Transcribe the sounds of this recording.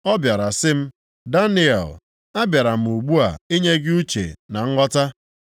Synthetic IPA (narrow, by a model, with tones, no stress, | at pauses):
ɔ˦bja˨ɾa˨sɪ˦m̩˦ | da˦nɪ˦ɛ̰˨l | a˦bja˨ɾa˨m̩˨u˨ɡ͡bu˦a̰˨i˦ɲe˦ɡɪ˦u˦t͡ʃḛ˨na˨ŋ̩˦ŋɔ˦ta˦